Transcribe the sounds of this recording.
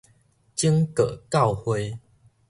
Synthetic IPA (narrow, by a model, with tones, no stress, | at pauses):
t͡ɕi˦ŋkə˨˩ka˥˨whwe˧˦